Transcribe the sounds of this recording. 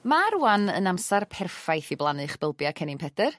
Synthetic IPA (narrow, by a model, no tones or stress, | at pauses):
maɾuanənamsarpʰɛrfajθiblˠanɨχb̥əlˠbjakʰɛnɪmpʰɛdər